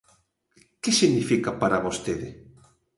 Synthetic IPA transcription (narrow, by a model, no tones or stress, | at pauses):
kesiɣnifikapaɾaβost̪eðe